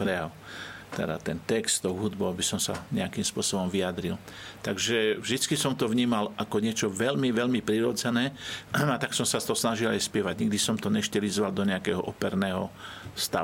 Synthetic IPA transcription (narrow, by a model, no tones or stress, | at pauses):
pɾɛjaʊ | t̪ɛ̰d̪a̰t̪ɛnt̪ɛkst̪t̪ɔʊɦud̪bɔʊabisɔmsa̰ɲɛakimspʊɔsɔbɔmʋiad̪ɾilt̪aɡʒɛvʒd̪it͡skisɔmt̪ɔʋɲiːmalʔakɔɲɪɛt͡ʃɔʋɛʎmiʋɛʎmipɾiɾɔd͡zɛnɛːat̪aksɔmsast̪ɔsnaʒilajspɪɛʋaɟɲiɡ̚d̪isɔmt̪ɔɲɛʃcɛlizʋald̪ɔɲɛakɛɦɔʔɔpɛɾnɛːɦɔst̪a̰u